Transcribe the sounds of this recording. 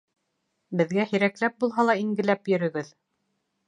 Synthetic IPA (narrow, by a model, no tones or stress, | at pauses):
bɘ̆ðɡæhĭɾæklæp̚bulˠɦɑlˠɑiŋɡɘ̆læpjɵ̆ɾɵ̆ɡɘð